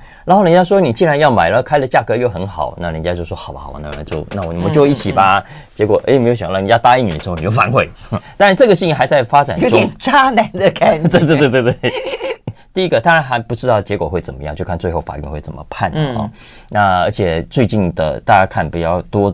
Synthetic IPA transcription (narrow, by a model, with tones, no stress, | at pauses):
ɻa˧˥nxljnt͡ɕja˥ʂ̬wɔ˥ni˨˩t͡ɕi˥˧ɻa˧˥njɑ˥˩ʊma˨˩ɪlə˦kʰa˥ɪlə˨t͡ɕja˥˩kɤ˧˥jo˥˩ʊxə˧˥nxɑ˨˩˦ʊna̰˥˩lə˧˥nt͡ɕja˧˥t͡ɕjo˥˧ʊʂwɔ˥xɑ˨˩ʊbɐ̰˨xwɔ̰˨˦na˥˩ə̰˧˥t͡ɕjo˥˩ʊna˥˩wɔ˨nə˥˩mə˨t͡ɕo˥˧ʊ˥˧˥i˥˩t͡ɕʰi˨˩ba˧ | t͡ɕjɛ˧˥kwɔ˨˩ʔe˥ɪme˧˥jo˧˩ɕjna˥˩˨ja˥˧t̪a˥i˥˩n˨˩lʂ̩˧˥˩ni˨˩jo˥˩fa˧˥nxwe˥˩ɪt̪a˥nɻa˧nʈ͡ʂɤ˥˩ɡə˩ɕi˥˧ni˥˩xa˧˥ɪt͡sa˥˩ɪfa˥ʈ͡ʂa˨˩n˥ʈ͡ʂʊ˥t͡ɕa˥na˧˥˦nd̪ə˨kʰa˥t̪e˥˧t̪wt̪wt̪wt̪we˥˩˥ | t̪i˥˩i˦˥ɡə˧t̪a˥ŋɻa˧˥nxa˧˥ɪpu˧˥ʈ͡ʂɻ̩˥t̪ɑ˥˩ʊt͡ɕjɛ˧˥kwɔ˨˩xwe˥˩ɪt͡sə˨˩nmə˦jɑ˥˧ŋt͡ɕjo˥˧ʊkʰa˥˧nt͡swe˥˧ɪxo˥˩ʊfa̰˨˩ɥy̰˥˧xwe˥˩ɪt͡sə̰˨˩mə̰˦pʰa˥˩nɔ̰˥˩ | na˥˩ə̰˧˥t͡ɕʰjɛ˨˩t͡swe˥˧ɪt͡ɕi˥˩nd̪ə̰˩t̪a˥˩t͡ɕja˥kʰa˥˩npi˨˩t͡ɕjɑ˥˩ʊt̪wɔ˥